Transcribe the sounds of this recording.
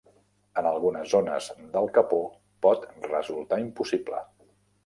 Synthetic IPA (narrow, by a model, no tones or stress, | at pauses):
ənəlˠɣunəzːonə̰zd̪əlˠkəpo | pɔt̪rəzulˠt̪aimpusiblə̰